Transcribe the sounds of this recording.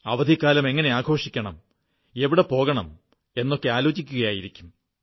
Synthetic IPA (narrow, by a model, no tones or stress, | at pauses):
ɐʋɐd̪ʱikːaːlɐme̞ŋːɐne̞aːɡʱo̞ːʂikʲːɐɳɐ̰m | e̞ʋiɽepo̞ːɣɐɳɐm | e̞nːo̞kːe̞aːlo̞ːt͡ɕikʲːuɣɐjaːjiɾikʲːum